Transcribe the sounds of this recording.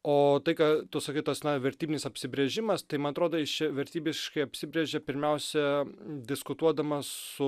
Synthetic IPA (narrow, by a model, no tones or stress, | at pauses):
oːt̪ɐɪkɑt̪ʊsɐkʲɪt̪ɐsnɐʋʲɛɾʲt̪ʲiːbʲɪnʲɪsɐpʲsʲɪbʲɾʲeʒʲɪmɐst̪ɐɪmɐnɐt̪ɾoːd̪oːjɪt͡ʃʲɛʋʲɛɾʲt̪ʲiːbʲɪʃkɐɪɐpʲsʲɪbʲɾʲeʒʲɛpʲɪɾʲmʲɛʊsʲɛd̪ʲɪskʊt̪uɔd̪ɐmɐsʊ